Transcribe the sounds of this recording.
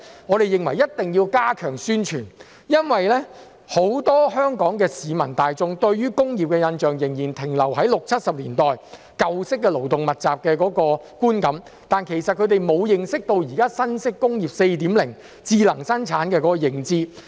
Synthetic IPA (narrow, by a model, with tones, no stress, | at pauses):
ŋɔː˨˧ɾe˨jɪ˨ŋwɐ˨˩jɐ˥t̚t̪ɪ˨ŋjiː˧wkaː˥kʰœː˨˩ŋsyː˥nt͡ʃʰyː˨˩n | jɐ˥nwɐ˨jlɛː˥ | ho˨˥wt̪ɔː˥hœː˥ŋkɔː˨˥ŋkɛː˧siː˨˧mɐ˨˩nt̪aː˨jt͡sʊ˧ŋt̪ɵ˧ɥɥyː˥kʊ˥ŋjiː˨p̚kɛ˧jɐ˧nt͡ʃœː˨ŋjɪ˨˩ŋjiː˨˩nt̪ʰɪ˨˩ŋlɐ˨˩wɦɐ˨˥jlʊ˨k̚t͡sʰɐ˥t̚sɐ˨p̚liː˨˩nt̪ɔː˨j | kɐ˨˧wsɪ˥k̬̚ːɛː˧lo˨˩wt̪ʊ˨ŋmɐ˨t̚t͡saː˨p̚kɛː˧kɔː˨˥kɔː˧ | kuː˥nkɐ˨˥m | t̪aː˨nkʰe˨˩jsɐ˨t̚kʰɵ˨˧t̪e˨jmo˨˧wjɪ˨˩ŋsɪ˥k̚t̪o˧wjiː˨˩kaː˥sɐ˥nsɪ˥kːʊ˥ŋjiː˨˩p̚se˧jt̪iː˨˥mlɪ˨˩ŋ | t͡siː˧lɐ˨˩ŋsɐ˥nt͡sʰaː˨˥nkɛː˧kɔ˨˥kɔ˧jɪ˨˩ŋt͡siː˧